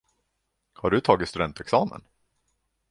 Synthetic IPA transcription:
haɖɵt̪ʰɑːɡɪt̪st̪ɵd̪ɛnt̪ɛksɑːmə̰n

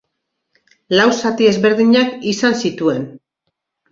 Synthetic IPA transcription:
lawsat̪ie̞zβe̞ɾðiɲakisansit̪ue̞n

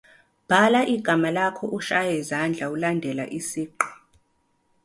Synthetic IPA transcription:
b̥ʱalaʔiɡ̥ʱamalakʰɔʔuʃajɛzand͡ɮʱaulandʱɛla̰ʔisiːǃɔ

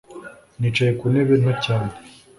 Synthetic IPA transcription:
nit͡ʃajekuneβen̥acaːne

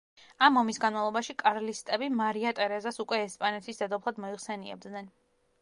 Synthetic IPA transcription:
amɔmisɡanmavlˠɔbaʃikʼaɾlist̪ʼɛbimaɾiat̪ʼɛɾɛzasukʼwɛːspʼanɛt̪ʰisd̪ɛd̪ɔpʰlˠad̪mɔiʁsɛniɛ̰b̚d̪nɛn

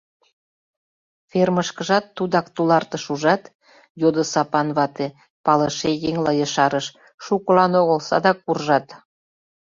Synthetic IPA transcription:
ferməʃkəʒɑt̪ːud̪ɑkt̪ulɑrt̪əʃuʒɑt̪ | jod̪əsɑpɑnβɑt̪e | pɑləʃejeŋlɑjəʃɑɾəʃ | ʃukəlɑnoɣəlsɑ̰d̪ɑkːurʒɑt̪

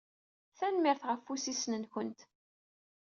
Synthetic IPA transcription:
θænmɪɾθʁəfːusisnənçənt̪

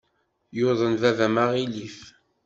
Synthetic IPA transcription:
joðˤənvævæmaʁilif

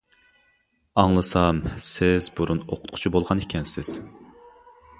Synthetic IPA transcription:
ɑŋlˠɨsɑmsɪzbuɾuno̰qʰʊ̥t̪̚qʰʊ̥t͡ʃʰibolˠʁɑnekʲʰɛnsɪz̥

